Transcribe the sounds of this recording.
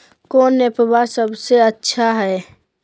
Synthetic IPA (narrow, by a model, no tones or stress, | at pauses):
koːnːepəbasəbseətːʃʰaɦɛ